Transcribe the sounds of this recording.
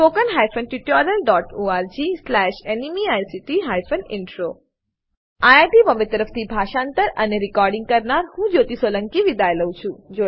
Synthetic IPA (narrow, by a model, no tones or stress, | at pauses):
pokənɦajfənʈiʈɔɾəlɖɔʈoaɾd͡ʒislɛʃenimiajsiʈiɦajfənɪɳʈɾo | ajaʈiməmet̪əɾəft̪ʰibʱaʃãnt̪əɾəneɾikɔɾɖĩŋɡ̚kəɾnaɾhũd͡ʒot̪isoləŋkiʋid̪ajləũt͡ʃʰũd͡ʒo